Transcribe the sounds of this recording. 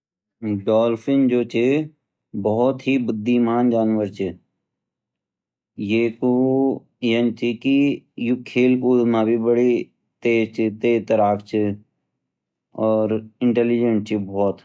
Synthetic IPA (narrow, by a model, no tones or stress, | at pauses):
ɖɔːlfɪnd͡ʒoːt͡ʃe | bɔɦt̪ɦibʊd̪ʱːimaːnd͡ʒaːnʋəɾt͡ʃe | jeːku | jənt͡ʃikijukʰːeːlkuːzmãːbʱibəɽi | t̪eːd͡ʒt͡ʃʰit̪eːt̪əɾaːkʰt͡ʃʰi | ɔːɾɪ̃ɳʈeːlid͡ʒəɳʈ̚t͡ʃʰibɔːt̪